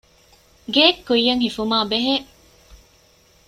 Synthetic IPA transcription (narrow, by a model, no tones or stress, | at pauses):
ɡeːkːujjːɐŋhifumaːbeɦe